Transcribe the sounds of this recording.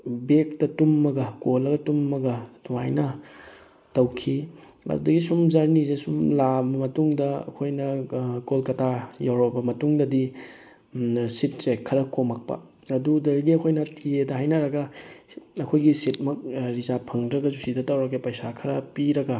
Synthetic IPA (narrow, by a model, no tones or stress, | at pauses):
bek̚tɐtumːɐɡɐkolːɐɡɐtumːɐɡɐduajnɐ | tɐwkʰi | ɐ̰dudɐɡisumzaɾnizesumlabɐmɐtuŋdɐɐ̰kʰojnɐkolkɐtʰajawɾɐbɐmɐtuŋdɐdi | sit̚sekʰːɐɾɐkomɐk̚pɐ̰ | ɐdudɐɡiɐkʰojnɐtʰiedɐɦajnɐɾɐɡɐ | ɐkʰojɡisit̚mɐk̚ɾizapʰɐŋdɾɐɡɐzusidɐtɐwɾɐkepɐjsakʰɐɾɐpiɾɐɡɐ